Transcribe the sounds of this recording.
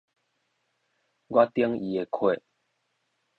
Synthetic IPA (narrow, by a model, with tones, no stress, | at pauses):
ɡwa˦t̪i˦ŋḭ˨e˨kʰwe˥˨